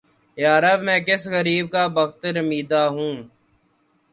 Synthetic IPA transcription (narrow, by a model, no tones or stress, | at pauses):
jaːɾəbmɛ̃ːkɪsɣəɾiːb̚kaːbəxt̪ɾəmiːd̪aːɦũː